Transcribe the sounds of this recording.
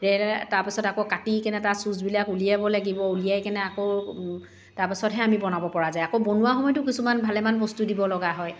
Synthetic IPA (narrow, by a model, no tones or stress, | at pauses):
ɹɛtaɹpisɔtakokatikɛnɛtasuzbilakulijabɔlaɡibɔulijajkɛnɛako | taɹpisɔtɦɛamibɔnabɔpɔɹazajakobɔnuwaxɔmɔjtʊkisumanbʱalɛmanbɔstudibɔlɔɡaɦɔj